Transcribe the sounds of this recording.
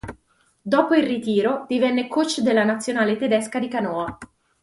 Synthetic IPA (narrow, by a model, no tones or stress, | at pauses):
d̪ɔːpoilrit̪iːɾod̪̥ivɛnːekot͡ʃːd̪elːanat̪sːjonaːlet̪ed̪ɛskad̪ikanɔːa